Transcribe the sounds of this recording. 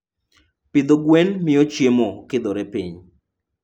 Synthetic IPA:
pɪd̪oɡwenmɪɔt͡ʃjemokɪd̪oɾɛpiɲ

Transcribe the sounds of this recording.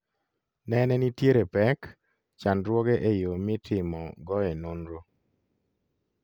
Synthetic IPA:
nɛnɛnitjeɾepɛk | t͡ʃanɾwɔɡeʔejomɪtʰɪmɔɡɔenonɾo

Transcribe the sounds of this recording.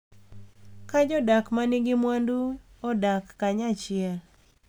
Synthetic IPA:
kad͡ʒɔdakmanɪɡɪmwanduɔdakːaɲat͡ʃɪɛl

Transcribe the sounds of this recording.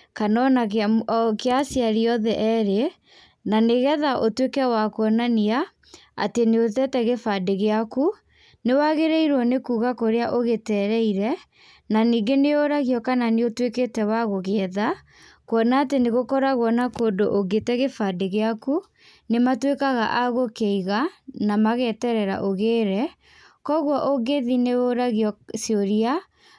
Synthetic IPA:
kanɔna | keasjaɾiɔðɛʔɛɾe | naneɣɛðaʔotwekɛwakwɔnania | a̰teneotɛtɛɣefadeɣeaku | newaɣeɾɛiɾwɔnekuːɣakoɾeaʔoɣetɛːɾɛiɾɛ | naniːɡeneoɾaɣjɔkananeotweketɛwaɣoɣeɛða | kwɔnaːteneɣokɔɾaɣwɔnakondo̰ʔoɡetɛɣefadeɣeaku | nematwekaɣa̰ʔaɣokeiɣanamaɣɛtɛɾɛɾa̰ʔoɣeːɾɛ | kɔɣwɔʔoɡeðineoɾaɣjɔsioɾia

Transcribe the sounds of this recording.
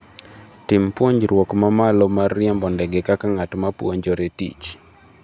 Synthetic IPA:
tɪmpwoɲd͡ʒɾwɔkmamalɔmarːɪɛmbɔndɛɡɛkakaŋatmapwɔɲd͡ʒɔɾetḭt͡ʃ

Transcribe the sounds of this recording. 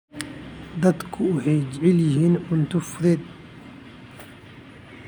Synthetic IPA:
d̪ɐd̪kʰʊwʊħɛjd͡ʒʕɪljɪɦiːnʕʊnt̪ʰʊfʊðɛːd̪

